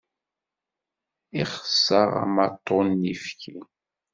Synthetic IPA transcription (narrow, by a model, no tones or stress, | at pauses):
iχsːɑʁa̰mɑt̪ʰːonːifçi